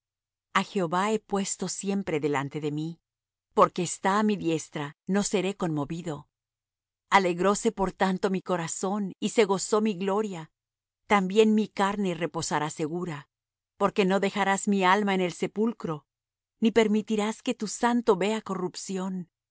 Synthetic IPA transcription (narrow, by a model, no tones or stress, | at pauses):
axe̞o̞βae̞pwe̞st̪o̞sje̞mpɾe̞ðe̞lant̪e̞ðe̞mi | po̞ɾke̞ːst̪aːmiðje̞st̪ɾano̞se̞ɾe̞ko̞nmo̞βiðo̞ | ale̞ɣɾo̞se̞po̞ɾt̪ant̪o̞miko̞ɾaso̞nise̞ɣo̞so̞miɣlo̞ɾja | t̪ambje̞nmikaɾne̞re̞po̞saɾase̞ɣuɾa | po̞ɾke̞no̞ðe̞xaɾazmialmaene̞lse̞pulkɾo̞ | nipe̞ɾmit̪iɾaske̞t̪usant̪o̞βe̞ako̞rupsjo̞n